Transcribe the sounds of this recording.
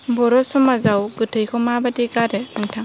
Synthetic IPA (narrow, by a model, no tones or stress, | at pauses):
bɔɾɔsɔmazawɡɯtʰɯjkʰɔmabadiɡaɾɛnɯŋtʰaŋ